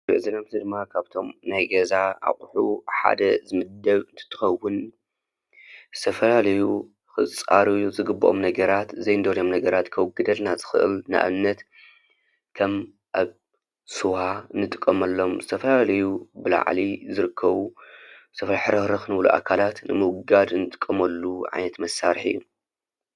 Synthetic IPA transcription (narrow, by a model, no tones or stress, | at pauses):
bɨʕzinamzɨd̪ɨmːakʰaβt̪ʰo̞mnajɡɐzaa̰χʼħuħa̰d̪ɐzɨmɨd̪ːɐβɨnt̪ʰɨ̥t̪ʰːɨ̥xɐwːʊn | zɨt̪ʰɐfɐlalɐju | xɨt͡sʼaɾuuzɨɡɨbːɨʔo̰mnɐɡɐɾat̪zɐjnɨd̪oljomnɐɡɐɾat̪kʰɐwɡːɨd̪ɐlnazɨxɨʔɨ̰lna̰ʔa̰nːɐt̪ | kʰɐm | ʔaβ | sɨwaɨnːɨt̪ʼɨ̥kʼːɐmɐlːo̞mzɨt̪ʰɐfɐlalɐjubɨla̰ʕlizɨɾɨkʰːɐβuzɨt̪ʰɐfɐlħɨɾɐɾɨxnɨβluʔa̰kʰalat̪nɨmɨwɡad̪ɨnɨt̪ʼɨ̥kʼːɐmɐlːuʕa̰jnɐt̪mɐsːaɾħḭjːu